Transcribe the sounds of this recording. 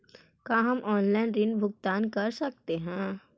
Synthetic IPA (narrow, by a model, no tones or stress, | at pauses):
kaːɦɐmʔɔːnlaːɪnɾɪnbʱʊɡt̪aːnkɐɾsɐk̚t̪eɦɛ̃ː